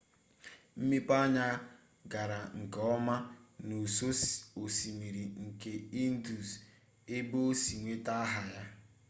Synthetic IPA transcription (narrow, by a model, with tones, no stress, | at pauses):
m̩˦mi˦pa˦ɲa˦ | ɡa˨ɾa˨ŋ̩˨kɔ˦ma˦nu˨so˦so˨si˨mi˨ɾi˨ŋ̩˨ke˨i˦n̩˦du˨s | e˦bo˦o˦si˨ŋʷe˦ta˦ɦa˨ja˦